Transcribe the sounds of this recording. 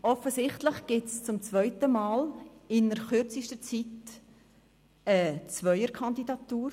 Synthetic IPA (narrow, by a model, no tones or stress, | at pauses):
ʔɔfəsɪχtləχɡ̥ɪtst͡sʊmt͡svœʏtəmɑːlɪnəɾχʏɾt͡sɪʃtət͡sit | ət͡svœʏəɾkʰɑnd̪idɑtːuːɾ